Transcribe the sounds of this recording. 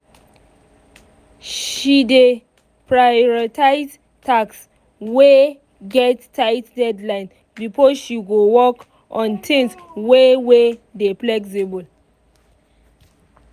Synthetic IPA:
ʃide | pɹajɔɹɔtʰaɪz | tʰaks | we | ɡɛtːʰaɪtdɛdlãɪ̃n | bifɔʃiɡowɔk | ʔɔ̃ntʰɛ̃nswewedeplɛksebɔl

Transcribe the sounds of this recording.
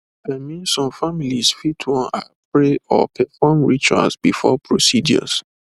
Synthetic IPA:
amĩnsɔ̃mfamilisfitʰwɔ̃na̰ | pɹeɔ̰pʰɛfɔmɹit͡ʃwã̰sbifɔpʰɹosid͡ʒɔ̰s

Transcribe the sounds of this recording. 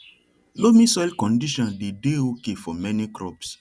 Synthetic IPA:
lomĩsɔilkɔ̃ndiʃɔ̃ndedeokefɔmɛnikɾɔ̰ps

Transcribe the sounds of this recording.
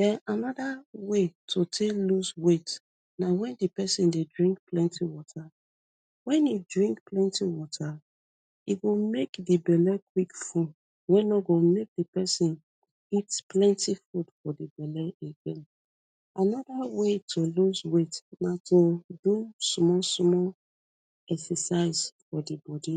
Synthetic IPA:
dɛʔanɔdawetʰotʰeluswet | nawɛ̃ndipɛsĩndedɹĩŋk̚plɛ̃ntʰiwɔtʰa | wɛ̃nidɹĩŋkplɛ̃ntʰiwɔtʰa | iɡomekdibɛlɛkwikfud | wɛ̃nɔɡomek̚dipɛsĩn | itplɛ̃ntʰifudfɔdibɛlɛeɡɛ̃n | ʔanɔdawetʰoluswetnatʰodusmɔlsmɔl | ɛksɛsaɪz̥fɔdibɔdi

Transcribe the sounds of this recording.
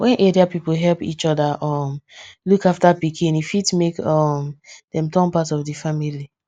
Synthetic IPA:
wʔɛ̃nʔediapipoɦɛlpḭt͡ʃɔdaʔɔmlukaftapikʰĩnifitmekɔmd̥ɛ̃mtɔ̃npatɔfdifamili

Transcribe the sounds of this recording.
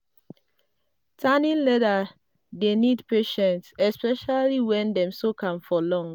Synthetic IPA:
tʰanĩnlɛda | denidpeʃɛ̃ntsɛspɛʃaliwɛ̃ndɛ̃msokʰãmfɔlɔ̃ŋ

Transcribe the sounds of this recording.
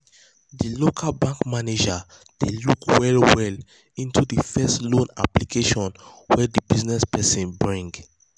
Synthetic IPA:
dilokʰalbãŋkmaned͡ʒa | d̥elukʰwɛɹiwɛl | ĩntudifɛstlõna̰plikʰeʃɔ̃nwɛdibiznɛspɛsɛ̃nbɹĩŋɡ

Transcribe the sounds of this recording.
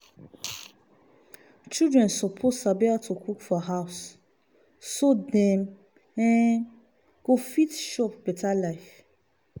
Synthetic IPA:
t͡ʃidɹɛ̃nsɔpʰosabɛatʰukʰukfɔɦaʊs | odɛ̃m | ɛ̃ | ɡ̥ofitʃɔpbɛtʰalaɪf

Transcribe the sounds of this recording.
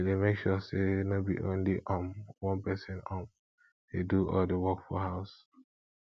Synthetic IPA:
demekʃɔsenobḭʔõ̰nliʔãmwɔ̃npɛsə̃nam | deduɔ̰ldəwɔkfɔhaʊs

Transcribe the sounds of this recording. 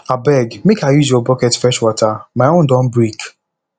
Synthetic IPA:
abɛɡmekʰajuzjɔbɔkɛtfɛʃwɔtʰamaɪõndɔ̃mbɹik

